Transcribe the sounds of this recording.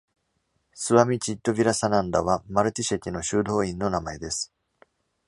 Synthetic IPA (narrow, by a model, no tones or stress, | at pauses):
sɨβamʲit͡ɕit̪ːo̞bʲiɾasanãnd̪aβamaɾɯ̟t̪ʲiɕekʲino̞ɕɨːd̪o̞ːĩnːo̞namaed̪e̞sɨ̥